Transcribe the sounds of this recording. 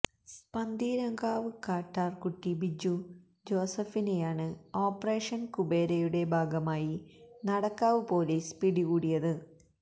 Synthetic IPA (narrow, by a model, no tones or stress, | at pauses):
spɐnd̪ʱiːɾɐŋɡaːʋɨkaːʈːaːrkuʈːibid͡ʑu | d͡ʑo̞ːsɐfine̞jaːɳɨoːpːɐre̞ːʂɐnkube̞ːɾɐjuɽe̞bʱaːɡɐmaːjinɐɽɐkːaːʋɨpo̞ːlespiɽiɣuːɽijɐðɨ